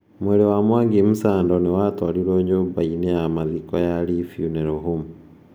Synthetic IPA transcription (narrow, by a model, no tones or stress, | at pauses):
mwɛɾewamwaːŋɡemusaːndɔnewatwaɾiɾoːɲoːbainejamaðikɔjaɾifjunɛɾɔɦum